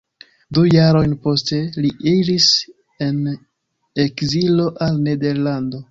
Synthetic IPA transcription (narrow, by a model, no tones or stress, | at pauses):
dujaɾo̞jnpo̞ste̞liʔiɾis | e̞n | ekzilo̞ʔalne̞de̞ɾlando̞